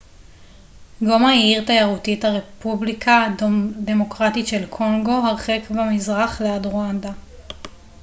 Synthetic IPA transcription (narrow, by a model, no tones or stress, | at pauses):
ɡomaiiʁt̪ajaʁutithaʁepublikʰad̪e̞mo̞kʁatitʃe̞lkʰo̞ŋɡo̞ɦaʁχekbamizʁaχleadʁoand̪a